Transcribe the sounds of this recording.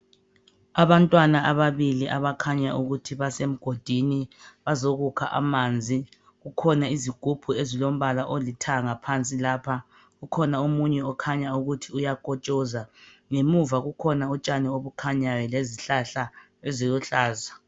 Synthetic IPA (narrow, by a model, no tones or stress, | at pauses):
aβantʼwanaʔaβaβiliʔaβakʰaɲaʔuɣutʰiβasem̩ɡ̥ʱod̥ʱiniβazoɣukʰa̰ʔa̰mand͡zʱi | ɣukʰɔnaiziɡ̥ʱub̥ʱuezilom̩βalaʔolitʰaŋapʰant͡sʼilaːpʰa | ɣukʰɔnaumuɲɛɔkʰaɲauɣutʰiujakʼɔt͡ʃʼɔzaŋemuvaɣukʰɔnaɔt͡ʃʼanɛoβukʰaɲajɛleziɬaɬa | ɛziɣuɬaːza